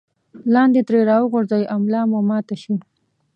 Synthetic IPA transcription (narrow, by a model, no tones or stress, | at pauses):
lɑːnd̪et̪ɾeɾɑwəɣʊɾzajʔamlɑːmomɑːt̪aʃu